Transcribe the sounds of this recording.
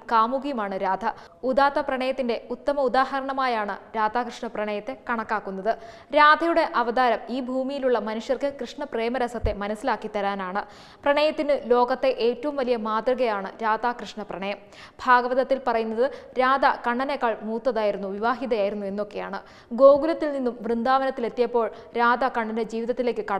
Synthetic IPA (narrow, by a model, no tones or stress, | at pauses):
kaːmuɡijɐmaːɳɨɾaːd̪ʱɐ | ud̪aːt̪ːɐprɐɳɐjɐt̪ːinde̞ut̪ːɐmɐud̪aːɦɐɾɐɳɐmaːjaːɳɨɾaːd̪ʱaːkrɨʂɳɐprɐɳɐjɐt̪ːe̞kɐɳɐkːaːkːun̪ːɐðɨ | ɾaːd̪ʱɐjuɽe̞ʔɐʋɐd̪aːɾɐmiːbʱuːmijiluɭːɐmɐnuʂjɐrkɨkrɨʂɳɐpreːmɐɾɐsɐt̪ːe̞mɐnɐsːilaːkːit̪ːɐɾaːnaːɳɨ | prɐɳɐjɐt̪ːinɨlo̞ːɡɐt̪ːe̞ʔe̞ːtːɐʋumʋɐlijɐmaːt̪rɨɣɐjaːɳɨɾaːd̪aːkrɨʂɳɐprɐɳɐjɐm | bʱaːɡɐʋɐðɐt̪ːilpɐrɐjunːɐðɨɾaːd̪ɐkɐɳɖɐnekːaːɭmuːt̪ːɐðaːjiɾunːuʋiʋaːɦiðɐjaːjiɾunːue̞nːo̞kːe̞ja̰ːɳɨ | ɡo̞ːɡulɐt̪ːilninːumʋrɨnd̪aːʋɐnɐt̪ːile̞t̪ːijɐpːo̞ːɭ | ɾaːd̪ɐkɐɳɖɐnɨd͡ʑiːʋiðɐt̪ːile̞ːkːɨkɐɽ